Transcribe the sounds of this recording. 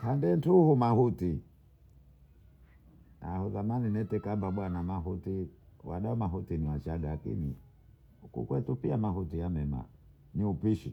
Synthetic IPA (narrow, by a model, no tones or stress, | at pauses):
handɛntuhumahuti | ahuzamaninɛtɛkambaɓwanamaɦutiwaɗaɔmaɦutiniwat͡ʃaɡaakḭni | ukṵkwɛtupiamahutijamɛma̰ | niupiʃḭ